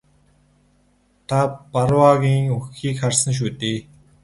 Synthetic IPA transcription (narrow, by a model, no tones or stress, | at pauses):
t̪ʰaparwaːɣʲiːŋɵxiːkχarsə̆ŋʃ̬uːt̪eː